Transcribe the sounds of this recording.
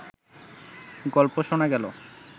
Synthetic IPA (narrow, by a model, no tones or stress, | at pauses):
ɡɔlpoʃonaɡɛlo̰